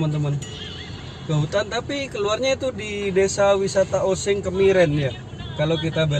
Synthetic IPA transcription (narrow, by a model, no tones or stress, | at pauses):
mant̪əman | kəɦut̪ant̪apikəluarɲait̪udidesawisat̪aosɪŋkəmiɾɛnja | kalokit̪aba